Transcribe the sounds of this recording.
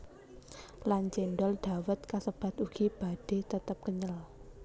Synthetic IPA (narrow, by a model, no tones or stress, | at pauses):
lant͡ʃenɖɔlɖ̪̥a̤wət̪̚kasəb̥a̤t̪uɡ̥ib̥a̤d̥e̤t̪ət̪əp̚kəɲəl